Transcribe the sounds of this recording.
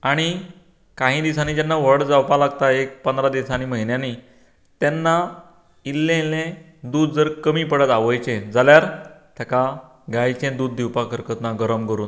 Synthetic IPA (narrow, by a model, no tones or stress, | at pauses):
aɽ̃i | kãɦĩːd̪isãnid͡ʑanːaʋ̤əɽd͡zawpalaɡt̪aek̚pənd̪ɾad̪isanim̤əɦinjani | t̪ɛnːa | ilːẽlẽ | d̪uːd̪̚d͡zəɾkəmiːpəɽət̪aʋəjt͡ɕẽd͡zaljaɾt̪ʰaka | ɡajt͡ɕẽd̪uːd̪̚ːiwpakəɾkət̪naɡəɾəmkəɾuːn